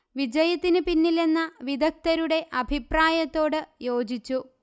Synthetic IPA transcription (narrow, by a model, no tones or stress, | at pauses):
ʋid͡ʑɐjɐt̪ːinɨpinːile̞nːɐʋid̪ʱɐk̚t̪ɐɾuɽe̞ʔɐbʱipraːjɐt̪ːo̞ːɽɨjo̞ːd͡ʑit͡ɕːu